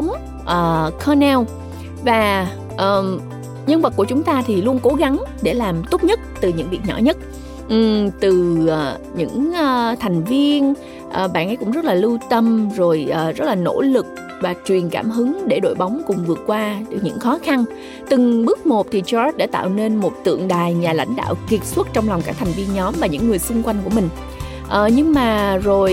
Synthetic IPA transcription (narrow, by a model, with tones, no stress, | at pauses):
ŋ͡m | ʔəː˨˩kʰɔ˧nɛ˧w | vaː˨˩ | ʔəː˨˩ | ɲə˧nvə˨˩ku˧˩ət͡ɕʊ˨˦ŋ͡mt̪aː˧t̪ʰi˨˩lu˧ənko˨˦ɣa˨˦ŋɗe˧˩laː˨˩mt̪o˦˥p̚ɲə˦˥t̚t̪ɨ˨˩ɲɨ̰˧˥ŋvi˨˩t̚ɲɔ̰˧˩ɲə˦˥t̚ | ʔt̪ɨ˨˩˨ | ɲɨ̰˧˥ŋː˧t̪ʰa˨˩jŋ̟vi˧ən | ʔəː˨˩ɓa̰ː˧˨nʔə˨˦jkʊ̰˧˥ŋ͡mzə˦˥t̚laː˨˩lɨ˧t̪ə˧mzo˨˩jʔːzə˦˥t̚laː˨˩no̰˧˥lɨ˨˩k̚ | vaː˨˩t͡ɕwi˨˩ənkaː˧˩mɦɨ˨˦ŋɗe˧˩ɗo̰˧˨jɓa˨˦wŋ͡mkʊ˨˩ŋ͡mvɨ˨˩ət̚kwaː˧ɗɨ˨˩ɲɨ̰˧˥ŋxɔ˨˦xa˧n | t̪ɨ˨˩ŋɓɨ˦˥k̚mo˨˩p̚t̪ʰi˨˩t͡ɕɔ˧˦˥t̚ɗa̰ː˧˥t̪a̰ː˧˨wne˧nmo˨˩t̚t̪ɨ̰˧˨əŋɗaː˨˩jɲaː˨˩la̰˧˥jŋ̟ɗa̰ː˧˨wki˨˩ət̚swə˦˥t̚t͡ɕɔ˧wŋ͡mla˨˩wŋ͡mkaː˦˥kt̪ʰŋ̟vi˧ənɲɔ˨˦mvaː˨˩ɲɨ̰˧˥ŋːɨ˨˩əjsʊ˧ŋ͡mkwa˧jŋ̟ku˧˩əmï˨˩ŋ̟ | ʔəː˨˩ɲɨ˧ŋmaː˨˩zo˨˩j